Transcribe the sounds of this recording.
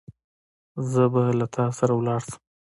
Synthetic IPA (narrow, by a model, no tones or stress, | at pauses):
zəbalat̪ʰɑsaɾawlɑɽsə̥m